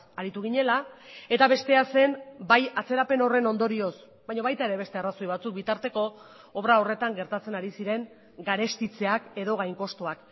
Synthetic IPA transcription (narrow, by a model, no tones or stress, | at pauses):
aɾit̪uɣ̞iɲe̞lae̞t̪aβe̞st̪e̞ase̞nbajat͡se̞ɾape̞no̞re̞no̞nd̪o̞ɾio̞s | bajɲo̞βajt̪ae̞ɾe̞βe̞st̪e̞araso̞jβat͡suk̚bit̪aɾt̪e̞ko̞ | oβɾao̞re̞t̪aŋɡe̞ɾt̪at͡se̞naɾisiɾe̞ŋ | ɡaɾe̞st̪it͡se̞ake̞ðo̞ɣ̞ajŋko̞st̪oak